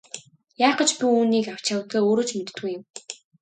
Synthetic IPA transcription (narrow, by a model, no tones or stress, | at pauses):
jaːqə̆t͡ɕpʲiuːniːkaw̥t͡ɕawt̪eːoːɾoːt͡ɕmet̪t̪ɡujɪ̆m